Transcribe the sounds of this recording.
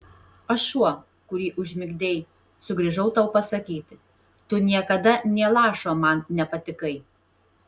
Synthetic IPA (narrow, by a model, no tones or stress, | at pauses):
ɐʃʃuɔ | kʊɾʲiːʔʊʒʲmʲɪɡʲd̪ʲeɪ | sʊɡɾʲiʒɐʊt̪ɑʊpɐsɐkʲiːt̪ʲɪ | t̪ʊnʲiɛkɐd̪ɐnʲiɛlˠɑːʃoːmɐnnʲɛpɐt̪ʲɪkɐɪ